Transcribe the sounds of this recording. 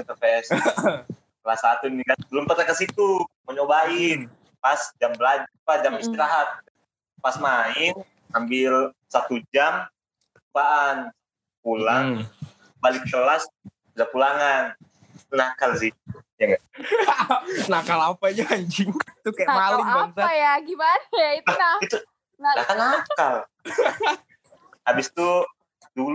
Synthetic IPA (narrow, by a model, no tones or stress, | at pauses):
t̪əpɛs | slasat̪unikabəlʊmp̪ərnakasit̪uməɲobaɪn | pasd͡ʒambəlad͡ʒpad͡ʒamist̪iɾaɦat̪̚ | pasmaɪn | ambɪl | sat̪ud͡ʒam | kətupaʔan | pulaŋ | balɪk̚t͡ʃəlas | ilapulaŋan | nakalsit̪̚ujaŋɡa | nakalapad͡ʒakaɲd͡ʒit̪ukajaʔlalubansaajaɡimanaiaɡit̪u | ɡak̪anakal | abɪst̪u | dul